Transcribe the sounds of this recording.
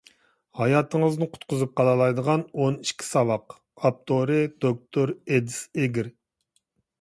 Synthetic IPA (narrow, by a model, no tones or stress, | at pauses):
hɑjɑt̪ʰəŋəznɨqʰʊ̥t̪qʰʊzɨp̚qʰɑlˠɑlˠɑjd̪əʁɑnoniʃkʲʰi̥sɑvɑq | ɑp̚t̪ʰoɾɪd̪̥ok̚t̪ʰoɾed̪ɪseɡʲiɾ